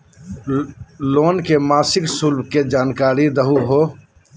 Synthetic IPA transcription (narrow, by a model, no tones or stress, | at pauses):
loːnkemaːsɪksʊlbʱked͡ʒaːnkaːɾidəɦuɦoː